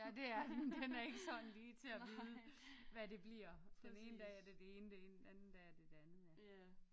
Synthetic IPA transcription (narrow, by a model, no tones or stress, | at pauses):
d̥e̝æɐɐded̥enæɐe̝ɡ̥əsɒ̽nn̩liːt͡sʰe̝æʋiːðˠəʋæde̝b̥liɐ̰d̥ene̝ːnəd̥ɛɐd̥ed̥ee̝ːnəd̥enæn̩d̥ɛæɐd̥e̝̥ænð̩ˠme